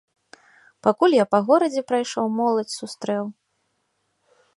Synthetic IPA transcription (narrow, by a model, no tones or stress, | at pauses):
pakulʲjapɐɣɔɾɐd͡zʲɛpɾajʂɔwmɔlˠɐt͡sʲsust̪ɾɛw